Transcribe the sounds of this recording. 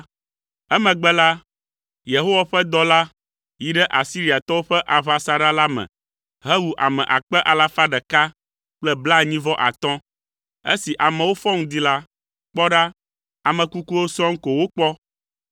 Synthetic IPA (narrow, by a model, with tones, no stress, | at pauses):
ɛ˦mɛ̃˨ɡ͡bɛ˦la˦ | je˨ɦo˦wa˨ɸɛ˦d̪ɔ˦la˦ | ji˨ɖɛ˦ʔa˨si˦ɾi˦a˨t̪ɔ˦wo˦ɸɛ˦ʔa˨βa˨sa˦ɖa˦la˦mɛ̰̃˨ | ɦɛ˦wu˨ʔa̰˨mɛ̰̃˨ʔa˨k͡pɛ˦ʔa˨la˦fa˦ɖɛ˨ka˦ | k͡plɛ˦bla˦ɲĩ˦vɔ˦ʔa̰˨t̪ɔ̃˦ | ḛ˦si˨ʔa˨mɛ̃˨wo˦fɔ˦ŋũ˦d̪i˦la˦ | k͡pɔ˦ɖa˦ | a˨mɛ̃˨ku˦ku˦wo˦sɔ̃˦ŋ̩˦ko˨wo˦k͡pɔ˦